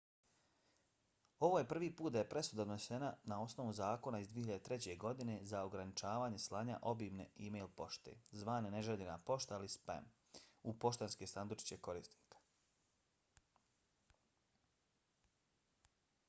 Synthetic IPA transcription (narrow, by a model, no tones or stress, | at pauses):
o̞ʋoːje̞pr̩ʋiːpuːt̪̚d̪ajepɾe̞sud̪ad̪nosenanao̞sno̞ʋuzaːko̞naizd̪ʋieçiʎad̪et̪ɾet͡ɕe̞ɡo̞d̪ine̞zao̞ɡɾanit͡ʃaːʋaːɲe̞slˠaːɲa̰ʔo̞biːmneimejlˠpo̞ʃt̪ḛːzʋaːneneʒeʎenapo̞ʃt̪aalispa̰m | upo̞ʃt̪enskesand̪ut͡ʃi̥t͡ɕeko̞ɾiːst̪ni̥ːkḁ